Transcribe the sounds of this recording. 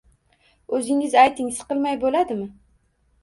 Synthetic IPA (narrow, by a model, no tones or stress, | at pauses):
ɵzɪŋɪzajt̪ʰɪŋɪsqɨlˠmajbolad̪ɪmɪ